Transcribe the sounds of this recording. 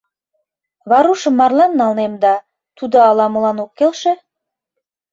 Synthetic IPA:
vɑɾuʃəmɑrlˠɑnːɑlˠnemd̪ɑ | t̪ʰud̪ɑːlˠɑmulˠɑnokʲːelʃɘ̆

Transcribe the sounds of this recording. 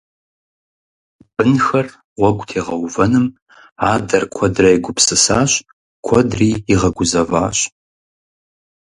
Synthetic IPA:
b̥ɨnxɐr | ʁʷɔɡʷʊtʰeːʁɐwvɐnɨm | aːdɐrkʷʰɔdrɐjɡʷʊpsɨsaːɕ | kʷʰɔdriːiʁɐɡʷʊzɐva̰ːɕ

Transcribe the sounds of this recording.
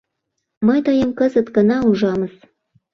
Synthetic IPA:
məjt̪ɤjəmkəzət̪ɡə̆nɑuʒɑməs

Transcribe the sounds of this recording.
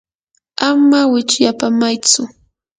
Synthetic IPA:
amawɪt͡ʃjapamajt͡sʊ

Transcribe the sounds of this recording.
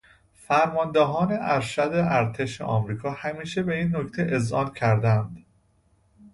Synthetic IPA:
fæɾmɒːnd̪eɦɒːne̞ʔæɾʃæd̪eæɾt̪ʰe̞ʃḛʔɒ̰ːmɾiːkʰɒːhæmiːʃebe̞iːnːockt̪ʰeʔezʔɒ̰ːncʰæɾd̪ænd̪

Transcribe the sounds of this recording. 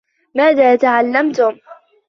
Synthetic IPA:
maːðaːt̪aʕalːamt̪ʊm

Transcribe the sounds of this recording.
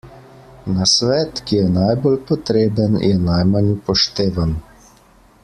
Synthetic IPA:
nasʋɛːt̪kijɛnajbolpɔt̪ɾeːbənjʔɛnajmanpɔʃt̪eːʋan

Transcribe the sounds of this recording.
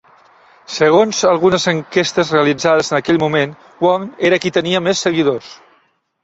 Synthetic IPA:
səɣ̞onzəlˠɣunəzəŋkest̪əzreəlid͡zað̞əzənəkɛʎmumen | wɔŋeɾəkit̪əniəmesːəɣiðos

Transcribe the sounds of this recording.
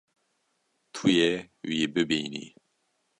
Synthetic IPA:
t̪ʰujɛ | wibɨbiːnḭ

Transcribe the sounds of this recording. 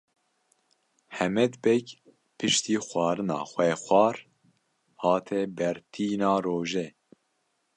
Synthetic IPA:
hɛmɛd̪bɛk | pʰɨʃt̪iːxʷɑːɾɨnɑ̰ːxʷɛxʷɑːɾ | hɑːt̪ʰɛbɛɾt̪ʰiːnɑːroːʒɛ

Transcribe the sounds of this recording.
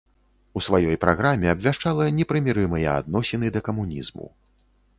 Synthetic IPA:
usvajɔjpɾʔaɣɾamʲɛɐbʲvʲaʂt͡ʂalˠɐnʲɛpɾɨmʲiɾɨmɨjɛa̰d̪̚nɔsʲɛnɨd̪ɐkɐmunʲḭzmṵ

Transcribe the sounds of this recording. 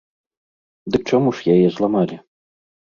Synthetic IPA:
d̪ɨk̚t͡ʂamuʂjajɛzlˠamalʲi

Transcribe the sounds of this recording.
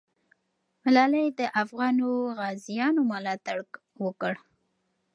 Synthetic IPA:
mɪlɑlajd̪əʔafɣɑnoɣɑzijɑnomalɑt̪aɽk | wəkəɽ

